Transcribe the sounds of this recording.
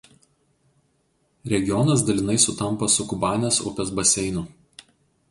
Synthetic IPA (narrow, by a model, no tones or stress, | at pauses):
ɾʲɛɡʲɪjɔnɐs̬d̪ɐlʲɪn̪ɐɪsʊt̪ɐmpɐsʊkʊbɑːnʲesʊ̰pʲɛsbɐsʲɛɪnʊ